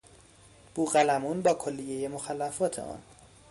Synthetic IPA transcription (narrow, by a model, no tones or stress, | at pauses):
b̥uːɣælæmuːnbɒːkʰolːije̞je̞moxælːæfɒːt̪ʰḛʔɒ̰ːn